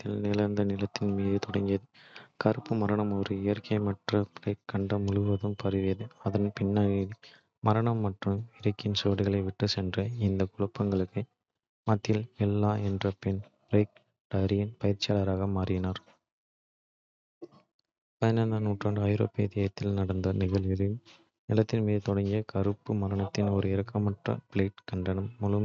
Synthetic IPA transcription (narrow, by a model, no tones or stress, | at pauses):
t̪ːɪlnɪlɐɾnd̪ɐnɪlɐt̪ːɪnmiːðɯt̪ɔɽɐŋɡɪjɐðɯkɐɾɯpːɯmɐɾɐɳɐmoːrɯɪjɐɾkʰɐɪmɐʈrɐɾɐɪkːɐɳɖɐmʊɻɯʋɐðɯmpɐɾɯʋɪjɐðɯɐðɐnpɪnːaɣi | mɐɾɐɳɐmːɐʈrɯmɪɾɐkːɪnsoːɽɪɣɐɭɐɪʋɪʈːɯsɛndrɐɪnd̪ɐkʊɭɐpːɐŋɡɐɭɯkːɯ | mɐt̪ːɪlɛlːaːɛndrɐpɛnbɾeːk̚ | ʈɐɾɪjɪnpɐjɪɾt͡ʃːɪjaːlɐɾaːɣɐmaːrɪɣɪnaːɾ | pɐjɐnɐnɐnuːʈraːndɯɐjɾo̰ːpɪjɐd̪ɪjaːjɐt̪ːɪlnɐɽɐnd̪ɐnɪɣɐɭʋɪlɪ | nɪlɐt̪ːɪnmiːðɯt̪ɔɽɐŋɡɪjɐkɐɾɯpːɯmɐɾɐɳɐt̪ːɪnɔɾɯɪɾɐkːɐmɐʈrɐ̰pɭeːʈkɐɳɖɐnɐmːʊlɯm